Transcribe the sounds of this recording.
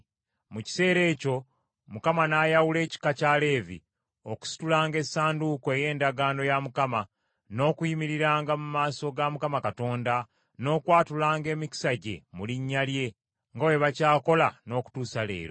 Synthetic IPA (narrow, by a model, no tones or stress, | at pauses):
muci̥se̞ːɾe̞ːco̞ | mukamanajawule̞ːci̥kacale̞ːvḭ | oku̥si̥tulaːŋɡe̞saːndukoe̞je̞ːndaɡaːno̞jamukama | no̞ːkujimiɾiɾaːŋɡamumaːso̞ɡamukamakato̞ːnda | no̞ːkwaːtulaːŋɡe̞ːmiki̥saɟe̞̰muliɲːalje̞ | ŋɡawe̞βacaːko̞lano̞ːku̥tuːsale̞̰ːɾo